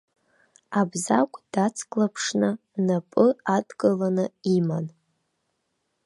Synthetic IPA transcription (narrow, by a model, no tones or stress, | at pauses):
abzakʷʼd̥at͡sʰkʼlapʰʂnɨ | napʼɨadkʼɨlanɨiman